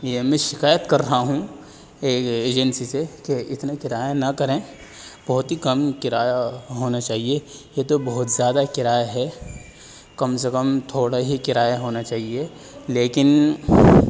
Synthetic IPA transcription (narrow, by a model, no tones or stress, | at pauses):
jemɛ̃ʃɪkaːjət̪kɐɾːɐɦaɦũ | eːkeːd͡ʒənsisekeɪt̪nakɪɾaːjanɐkɐɾẽː | b̥ɐɦʊt̪ɦikɐmkɪɾaːjaɦoːnat͡ʃaːɦiejet̪obɐɦʊt̪zjaːd̪akɪɾaːjaɦɛ | kɐmsekəmt̪ʰoːɽaɦikɪɾaːjaɦoːnat͡ʃaːɦie | leːkɪn